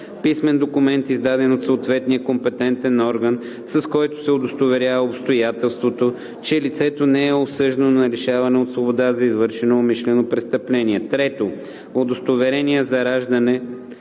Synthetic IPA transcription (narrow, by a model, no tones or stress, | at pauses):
pismɛnd̪okʊmɛnt̪izd̪ad̪ɛnot̪soot̪vɛt̪nijəkompɛt̪ɛnt̪ɛnɔɾɡən | sɐskɔjt̪o̥sɛod̪ost̪ovɛɾʲjavɐopst̪ojat̪ɛlˠst̪vot̪o | t͡ʃɛlit̪sɛt̪onɛɛosɤʒd̪ənonɐɾɛʃavɐnɛot̪svobod̪azɐizvɤɾʃɛnoːmiʃlɛnopɾɛst̪əplɛniɛt̪ɾɛt̪o | od̪ost̪ovɛɾɛniəzɐɾaʒd̪ɐnɛ